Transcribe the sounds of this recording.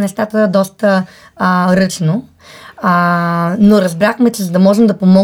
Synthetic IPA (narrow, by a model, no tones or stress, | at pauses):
nɛst̪at̪əd̪ɔst̪ə | ɾɤt͡ʃno | noɾɐzbɾaxmɛt͡ʃɛzɐd̪ɐmɔʒɛmd̪ɐpomɔ